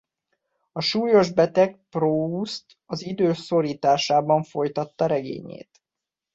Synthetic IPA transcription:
ɒʃuːjo̞ʒbɛt̪ɛɡ̚proːust̪ | ɒzid̪øːso̞ɾiːt̪aːʃaːbɒɱfo̞jt̪ɒt̪ːɒɾɛɡḛːɲḛːt̪

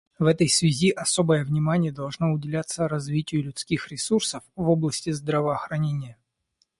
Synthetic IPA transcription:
vɛt̪əjsvʲɪzʲiʔɐso̞bəjəvnʲɪmanʲɪjəd̪ɐlˠʐno̞ʊdʲɪlʲat̪səɾɐzvʲitʲɪjʊlʲʊt̪skʲixɾʲɪsursəfvoblˠəsʲtʲɪzd̪ɾɐvəːxɾɐnʲenʲɪjə

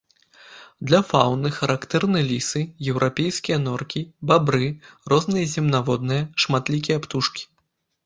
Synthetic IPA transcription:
d̪lʲɐfawnɨxɐɾakt̪ɛrnɨjlʲisɨjɛwɾʔapʲejskʲijɐnɔrkʲibabɾɨrɔznɨjɐzʲɛmnavɔd̪̚nɨjɐʂmat̪lʲik̬ʲijɐpt̪uʂkʲi̥

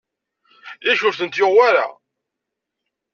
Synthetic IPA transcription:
jæʃʊɾθənt̪joʁwaɾa̰

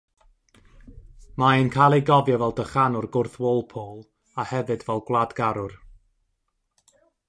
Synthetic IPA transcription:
maenkʰajlˠejɡɔvjɔvɛlˠdəχanʊrɡʊrθwoːlˠpʰoːlˠ | ahɛvɨdvɛlˠɡwlˠadɡaɾʊr

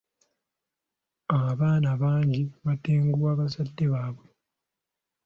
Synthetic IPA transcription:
aβaːnaβaːɲɟiβateːŋɡuwaːβasadːe̞βaːβwe

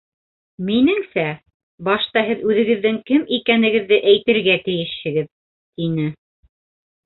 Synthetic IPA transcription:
minɘŋsæ | bɑʃt̪ɑɦɘðʉðɘ̆ɡɘ̆ðːɘŋkɘmikænɘ̆ɡɘ̆ðːɘʔæjt̪ɘ̆ɾɡæt̪ɘ̆jɘʃhɘ̆ɡɘð | t̪inɘ

